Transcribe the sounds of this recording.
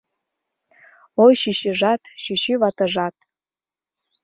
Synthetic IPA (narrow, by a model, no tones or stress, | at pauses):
ojʃiɕəʒɑt̪ʃiʃiβɑt̪ɤ̆ʒɑt̪̚